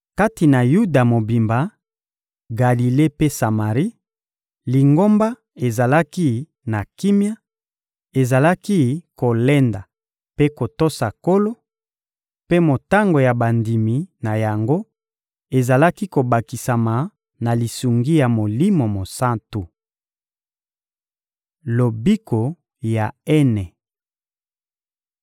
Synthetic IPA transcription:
ka˦ti˨na˨ju˦da˨mo˨bi˨mba˨ | ɡa˨li˨le˦pe˦sa˨ma˨ʁi˦ | li˨ŋɡo˦mba˦ | e˨za˨la˦ki˦ | na˨ki˦mja˦ | e˨za˨la˦ki˦ko˨lɛ˦nda˨ | pe˦ko˨to˦sa˨ko˦lo˦ | pe˦mo˨ta˦ŋɡo˨ja˨ba˨ndi˨mi˨na˨ja˨ŋɡo˦ | e˨za˨la˦ki˦ko˨ba˨ki˨sa˨ma˨ | na˨li˨su˨ŋɡi˦ja˨mo˨li˦mo˨mo˨sa˦ntu˨ | lo˨bi˦ko˨ | ja˨ɛ˦nɛ˨

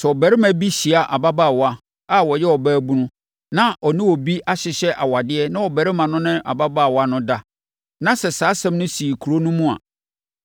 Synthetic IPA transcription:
sɛ˨ɔ˨bæ˨ɾɪ˦mæ̃˦bi˦ɕi˨a˨ʔa˨ba˦baː˦˨wa˦ | a˦wɔ˨jɛ˦wɔ˨bæː˦bu˦nʊ̃˦ | nã˦ʔɔ˨nɪ̃˦wɔ˨bi˦ʔa˦ɕɪ˨ɕɛ˦ʔa̰˨wa˨dɪ˦ɛ˦nã˦wɔ˨bæ˨ɾɪ˦mã˨nʊ̃˦nɪ̃˦ʔa̰˨ba˦ba˦˨wa˦nʊ̃˦da˦ | nã˦sɛ˨saː˨˦sɛ̃˦m˦nʊ̃˦si˨i˨kʰu˨ɾo˦nũ˦mũ˦a̰˨

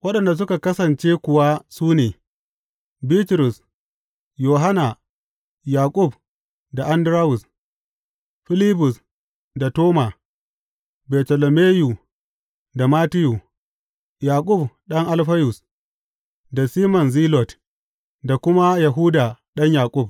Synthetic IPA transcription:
wɐ˦ɗɐ˨nda˨s̬ʊ˦ka˨kɐ˦sɐ˨nt͡ʃeː˦kʷʊ˨wa˦suː˦neː˨ | biː˦tɾʊ˨s | joː˨ɦa˦na˨ | jaː˨kʷʼʊ˦˨b | da˨ʔa˦ndɾaː˦wʊ˨s | ɸɪ˦li˦bʊ˨s | da˨toː˦ma˨ | bɛː˨tɔ˨lɔ˨meː˦ju˨ | da˨maː˦tɪ˦ju˨ | jaː˨kʼʊ˦˨bɗɐ˦ŋʔa˦lɸɐ˦jʊ˨s | da˨siː˦mɔ˨nziː˦lɔ˨t | da˨kʷʊ˦ma˦ja˨ɦʊ˦daː˨ɗɐ˦ɲjaː˨kʷʼʊ˦b̚

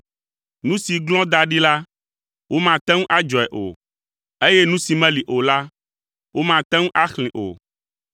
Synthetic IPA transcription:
nũ˦si˨ɡlɔ̃˦d̪a˨ɖi˦la˦ | wo˦mã˨t̪ɛ̃˦ŋũ˦ʔa˦d͡ʒɔ˨ɛ˨ʔo̰˨ | e˦jɛ˦nũ˦si˨mɛ̃˦li˨ʔo˨la˦ | wo˦mã˨t̪ɛ̃˦ŋũ˦ʔa˦xl̃ĩ˨ʔo̰˨

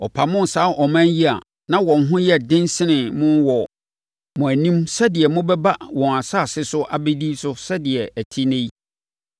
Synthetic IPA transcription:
ɔ˨pʰa˨mʊ̃˦n̩˨saː˨˦ʔɔ˨mæ̃˦nji˦a˨ | nã˦wɔ̃˨nɦʊ̃˦jɛ˦dɪ̃˦nsɪ˦nɪ̃˨mʊ̃˦wɔ˨ | mʊ̃˨æ˨nĩ˦msɛ˦dɪ˨ɛ˨mʊ̃˦bɛ˦ba˦wɔ̃˨na˨saː˦˨sɪ˦sʊ˦ʔa˨be˦di˦sʊ˦sɛ˦dɪ˨ɛ˨æ˨tʰi˦nẽ˦ji˦

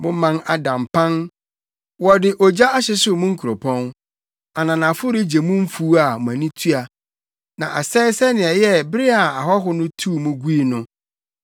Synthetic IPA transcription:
mʊ̃˦mã˨na˨dã˨mpʰã˦n | wɔ˨dɪ˨ʔɔ˨d͡ʑa˦a˦ɕɪ˦sʊ˦mʊ̃˦ŋ̩˦kʰu˨ɾo˨pʰɔ̃˦n | a˨nã˨nã˨fʊ˦ɾɪ˦d͡ʑe˨mũ˦m̩˦fu˦a˨m˨æ̃˨nĩ˦tʰu˦a˨ | nã̰˨ʔa̰˨sɛː˦ɪ˦sɛ˦nɪ̃˨ɛ˨jɛ˦bɾɪ˦a˨a˨ɦɔ˦ɦʊ˦nʊ̃˦tʰu˦˨mũ˦ɡu˦i˨nʊ̃˦

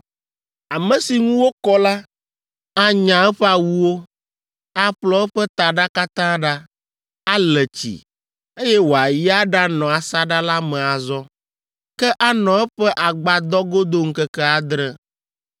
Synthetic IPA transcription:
a˨mɛ̃˨si˨ŋũ˦wo˦kɔ˦la˦ | a˨ɲã˨ɛ˦ɸɛ˦a˨wu˦wo˦ | a˨ɸlɔ˨˦ɛ˦ɸɛ˦t̪a˨ɖa˦ka˦t̪ã˦ɖa˦ | a˦lɛ˨t͡ɕḭ˨ | e˦jɛ˦wo˨a˨ji˦a˦ɖa˦nɔ̃˨a˨sa˦ɖa˦la˦mɛ̃˨a˨zɔ˦ | kɛ˦ʔa˦nɔ̃˨ɛ˦ɸɛ˦ʔa˨ɡ͡ba˨d̪ɔ˦ɡo˦d̪o˦ŋ̩˦kɛ˦kɛ˦a˨d̪ɾɛ˦

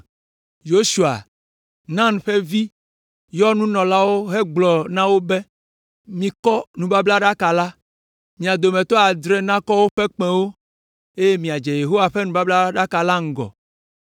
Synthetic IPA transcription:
jo˦su˨a̰˨ | nã˦n˨ɸɛ˦vi˦ | jɔ˦nũ˦nɔ̃˨la˦wo˦ɦɛ˦ɡ͡blɔ˨nã˦wo˦bɛ˦ | mĩ˨kɔ˦nũ˨ba˦bla˦ɖa˦ka˨la˦ | mĩ˨a˨d̪o˨mɛ̃˨t̪ɔ˦a˨d̪ɾɛ˦nã˦kɔ˦wo˦ɸɛ˦k͡pɛ̃˨wo˦ | e˦je˦mĩ˨a˨d͡ʒɛ˨je˨ɦo˦wa˨ɸɛ˦nũ˨ba˦bla˦ɖa˦ka˨la˦ŋ̩˦ɡɔ̰˨

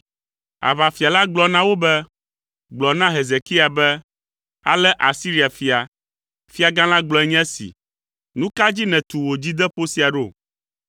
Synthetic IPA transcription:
a̰˨va˨fi˨a˨la˦ɡ͡blɔ˨nã˦wo˦bɛ˦ | ɡ͡blɔ˨nã˦ɦe˨ze˨ki˦a˨bɛ˦ | a̰˦lɛ˦ʔa˨si˦ɾi˨˦a˨fi˦a˨ | fi˦a˨ɡã˦l̃ã˦ɡ͡blɔ˦ɛ˦ɲɛ̃˦sḭ˨ | nũ˦ka˦d͡ʑi˦nɛ̃˨t̪u˨wo˨d͡ʑi˦d̪ɛ˦ɸo˦si˦a˨ɖo˦˨

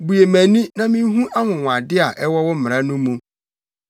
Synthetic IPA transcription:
bu˨je˨mæ̃˨nĩ˦nã˦mĩ˦ɦũ˦ʔa˦ŋʊ̃˨w̃a˨dɪ˦a˨ʔɛ˦wɔ˦wʊ˦m̩˦mɪ̃˨ɾa˦nʊ̃˦mũ˨

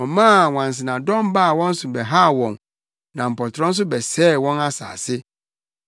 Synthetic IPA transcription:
ɔ̃˨mã˦˨wã˨n˨s̬ɪ˨nã˨dɔ̃˦mba˦˨wɔ̃˦n̩˦sʊ˨bɛ˨ɦa˦˨wɔ̃˨n | nã˨m̩˨pɔ˨tʰɾɔ̃˦n̩˦s̬ʊ˦bɛ˨sɛː˦˨wɔ̃˦na˦sa̰ː˨sɪ˦

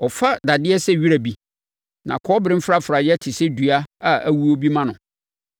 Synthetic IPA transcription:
ɔ˨fa˦da˨dɪ˦ɛ˦sɛ˦˨ɥi˦ɾæ˨bi˦ | nã̰˨kʰɔ˦bɾɪ̃˦m̩˦fɾa˦fɾa˨jɛ˦tʰɪ˨sɛ˦du˨a˦a˦æ̰˨wu˦o˦bi˦mã˦nʊ̃˨

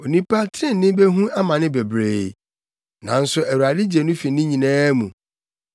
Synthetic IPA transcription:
o˨nĩ˦pa˦tʰɾɪ̃˦˨n˦nɪ̃˦be˦ɦũ˦ʔa˦mã˨nɪ̃˦be˨bɾe˦˨˦ | nã̰˨n̩˦sʊ˨æ˨wu˨a˨dɪ˦d͡ʑi˨e˨nʊ̃˦fi˨˦nɪ̃˦ɲĩ˨nɛ̃ː˦mũ˨

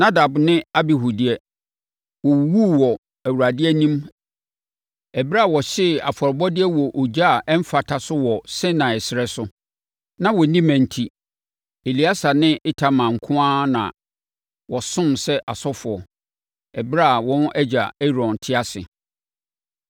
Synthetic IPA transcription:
na˦da˨bnɪ̃˦a˦bɪ˦ɦu˨dɪ˦ɛ˦ | wɔ˨wu˦wɔ˨ | æ˨wu˨ɾa˨dɪ˦ɛ˦nĩ˦m | ɛ˨bɪ˦ɾa˦˨wɔ˨ɕɪ˦˨a̰˨fɔ˨ɾbɔ˦dɪ˦ɛ˦wɔ˨ʔo˨d͡ʑa˦˨ʔɛ˦m̩˦fa˨tʰa˨sʊ˦wɔ˨sɪ̃˦nã˨ɛ˨sɪ˨ɾɛ˦sʊ˦ | nã˦wɔ˨nĩ˦mæ̃˨n̩˨tʰi˦ | e˨li˨˦a˦sa˨nɪ̃˦ʔɪ˦tʰa˨mã˨ŋ̩˨kʰʊ̃˦ã˦nã̰˨ | wɔ˨sʊ̃˦msɛ˦ʔa˨sɔ˦fʊ˨ɔ˨ | ɛ˨bɪ˦ɾa˦a˨wɔ̃˦nʔɛ˦d͡ʑa̰˨ɛ˦ɾɔ̃˨n˨tʰɪ˦a˦sɪ̰˨

